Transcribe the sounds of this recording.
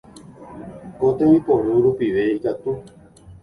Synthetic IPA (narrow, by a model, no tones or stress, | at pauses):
ot̪ẽwĩpõɾuɾupiʋeikat̪u